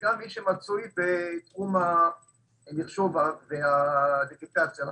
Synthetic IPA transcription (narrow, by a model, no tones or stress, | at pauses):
ɡamːiʃemat͡sujbet̪χuma | liχʃo̞vaveadiɡet̪at͡sja